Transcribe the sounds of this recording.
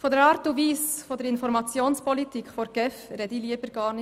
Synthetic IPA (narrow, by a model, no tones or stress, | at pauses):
fodɛɾɑːɾtuviːsfod̪ɛɾɪnfɔɾmɑt͡sjoːnspɔlitiːkʰfoɾɡ̥ɛfɾɛd̪iliəbəɾɡ̥ɑːɾnɪ